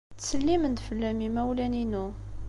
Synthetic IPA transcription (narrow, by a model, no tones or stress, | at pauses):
t͡ssəlːimənd̪fəlːæmimæwlæninu